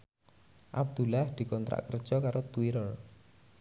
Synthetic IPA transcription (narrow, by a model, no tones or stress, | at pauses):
ʔab̚d̪̥ṳlahd̪̥i̤kɔnt̪ɾa̰ʔkərd̥ʒ̥ɔkaɾot̪uiɾɔr